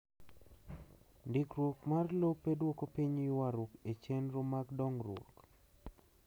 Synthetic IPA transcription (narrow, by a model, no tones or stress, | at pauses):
ndikɾwokmarlopːedwokopiɲjwaɾʊket͡ʃenɾomaɡdɔŋrwo̰k